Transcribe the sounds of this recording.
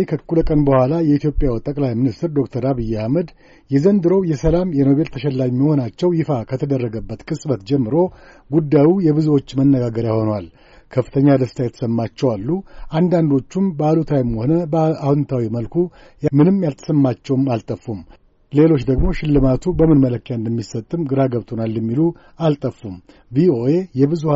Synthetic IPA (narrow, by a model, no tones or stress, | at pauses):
ekʰəkʰːuləkʼənbəhʷwʷalajɛit̪jo̞pʼjawt̪ʼəkʼlajminist̪ɨɾd̪o̞kt̪ʰəɾaβɨjːahməd̪ | jɛzənd̪ɨɾowjɛsəlamjɛno̞βe̞lt̪ʰəʃɛlːamːiho̞nat͡ʃːɛwjɪfakʰət̪ʰəd̪ərːəɡəbːət̪kʼɨsʼbət̪d͡ʒɛmːɨɾo̞ | ɡud̪ːajujɛβɨzuwo̞t͡ʃːmənːəɡaɡəɾjaho̞nwal | kʰəfːɨ̥t̪ʰəɲːad̪əst̪ʰajɛt̪ʰə̥səmːat͡ʃːɛwalːuʔand̪and̪o̞t͡ʃːumbəalut̪ʰajmho̞nəbahunt̪ʰawiməlkʰu | jmɨnɨmjalt̪ʰə̥səmːat͡ʃːɛwmalt̪ʼəfːum | le̞lo̞t͡ʃːd̪əɡmo̞ʃɪlːɨmat̪ʰubəmɨnmələkːjand̪əmːisət̪ʼːɨmɡɨɾaɡəβt̪ʼʰo̞nalːjɛmːilu | alt̪ʼəfːum | vio̞e̞jɛbɨzuh